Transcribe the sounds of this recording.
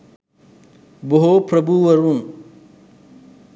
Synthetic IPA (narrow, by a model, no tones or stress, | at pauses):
bʊɦoːpʰɾɐbuːwɐɾũː